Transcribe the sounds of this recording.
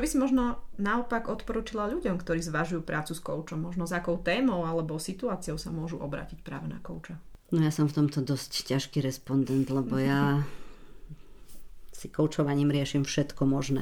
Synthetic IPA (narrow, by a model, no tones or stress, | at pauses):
t͡ʃɔbisimɔʒnɔnaɔpaɡɔt̪pɔɾuːt͡ʃilaʎuɟɔmkt̪ɔɾiːzʋaʒujuːpɾʔaːt͡suskɔ̰ʊt͡ʃɔmːɔʒnɔzakɔʊt̪ɛːmɔʊalɛbɔsit̪uaːt͡siɔʊsamʊɔʒuʔɔbɾa̰ːcicpɾa̰ːʋɛna̰kɔʊt͡ʃanɔjasɔmft̪ɔmt̪ɔd̪ɔsccaʃkiɾɛspɔnd̪ɛnt̪lɛbɔja | sikɔʊt͡ʃɔʋaɲiːmɾɪɛʃimfʃɛt̪kɔmɔʒnɛ̰ː